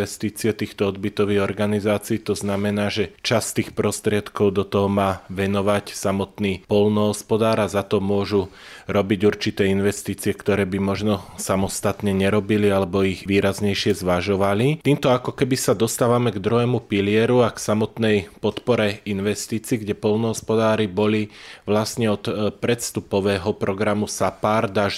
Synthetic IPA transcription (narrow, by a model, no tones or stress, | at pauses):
ɛst̪iːt͡siɛt̪iːxt̪ɔɔd̪bit̪ɔʋiɣɔɾɡanizaːt͡siːt̪ɔznamɛnaːʒɛt͡ʃast̪iːxpɾɔst̪ɾɪɛt̪kɔʊd̪ɔt̪ɔɦɔmaːʋɛnɔʋacsamɔt̪niːpɔlnɔɦɔspɔd̪aːɾazat̪ɔmʊɔʒu | ɾɔbiɟuɾt͡ʃit̪ɛːinʋɛst̪iːt͡siɛkt̪ɔɾɛːbimɔʒnɔsamɔst̪at̪ɲɛɲɛɾɔbilialɛbɔiɣʋiːɾazɲɛjʃɪɛzʋaʒɔʋalit̪iːmt̪ɔakɔkɛbisad̪ɔst̪aːʋamɛɡd̪ɾuɦɛːmupilɪɛɾuaksamɔt̪nɛjpɔt̪pɔɾɛinʋɛst̪iːt͡siːɡɟɛpɔlnɔɦɔspɔd̪aːɾibɔliʋlasɲɛɔt̪pɾɛt̪st̪upɔʋɛːɦɔpɾɔɡɾamusapaɾd̪aʒ